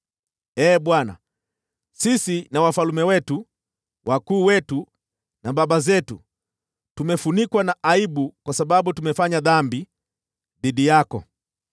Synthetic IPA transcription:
ɛːɓwana̰ | sisinawafalumɛwɛtu | wʔakuːwɛtu | naɓaɓazɛtu | tumɛfunikwanaʔaiɓukwasaɓaɓutumɛfaɲaðambi | ðiɗijakɔ̰

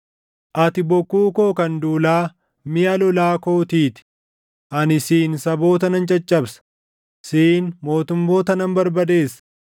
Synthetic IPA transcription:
ʔɐt̪ɪbɔkːuːko̞ːkɐnd̪uːlaː | mɪjɐlɔlaːko̞ːt̪iːt̪ɪ̥ | ʔɐnɪsiːnsɐbo̞ːt̪ɐnɐnt͡ʃʼɐt͡ʃʼːɐbsɐ̥ | siːnmo̞ːt̪ʊmːo̞ːt̪ɐnɐmbɐɾbɐd̪e̞ːs

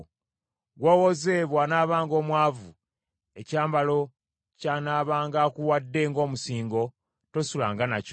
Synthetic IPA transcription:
ɡwoːwoze̞ːβwanaːβaːŋɡo̞ːmwaːvu | e̞caːmbalo̞ | canaːβaːŋɡaːkuwadːe̞ːŋɡo̞ːmusiːŋɡo̞ | to̞sula̰ːŋɡanac

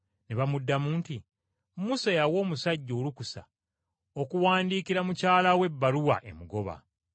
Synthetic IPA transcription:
neβamudːamuːnti | musajawo̞ːmusaɟːo̞ːlukusa̰ | okuwaːndiːkiɾamucaːlawe̞bːaluwa̰ʔe̞̰muɡo̞βa̰

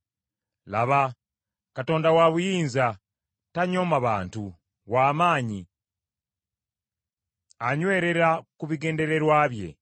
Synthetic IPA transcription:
laβa | kato̞ːndawaβujiːnza | taɲo̞ːmaβaːntu | βwaːmaːɲi | aɲwe̞ːɾe̞ɾakuβiɡe̞ːnde̞ɾe̞ɾwaːβje̞̰

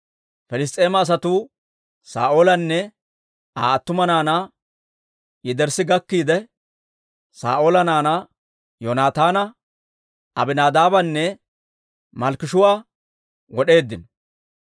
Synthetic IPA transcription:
fɛlɪs̬t̪ʼe̞ːmɐːs̬ɐt̪u | saːʔoːlɐnːɛ | aːɐt̪ːʊmɐnaːna | jɪd̪ɛɾsɪɡɐkːiːd̪ɛ | sa̰ːʔo̞ːlɐnaːnɐ | jonaːt̪aːnɐ | ɐbɪnaːd̪aːbɐnːɛ | mɐlkɪʃʊwaː | wɔɗe̞ːd̪ːɪnɔ

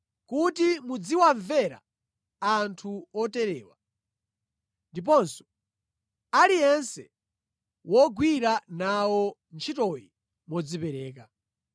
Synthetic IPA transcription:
kutimud͡ziwaɱvɛɾa̰ | antʰuɔtɛɾɛːwa̰ | ndip̬ɔnsɔ̥ | alijɛnsɛ | wɔɡwiɾanawɔnt͡ʃʰitɔji | mɔd͡zipɛɾɛːka

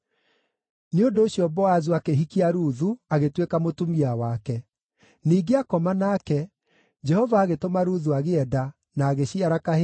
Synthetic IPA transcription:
neondoːɕjɔbɔazuakeɦikiaɾuðuaɣetwekamotumiawakɛ | niːɡeakɔmanakɛ | d͡ʒɛhɔvaːɣetomaɾuðuaɣeɛda | naːɣeɕiaɾaka

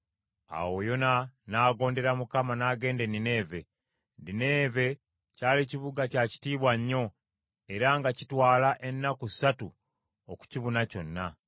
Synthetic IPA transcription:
a̰wo̞jo̞nanaːɡo̞ːnde̞ɾamukamanaːɡe̞ːnde̞nine̞ːve̞ | ndine̞ːve̞ | caːliciβuɡacaci̥tiːβwaɲːo̞ | e̞ɾaŋɡacitwaːlaʔe̞nːakusatu | oku̥ciβunaco̞nːa

